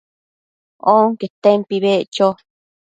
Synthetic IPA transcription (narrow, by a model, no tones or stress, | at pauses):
oŋket̪ẽmpiβeʔt͡ʃo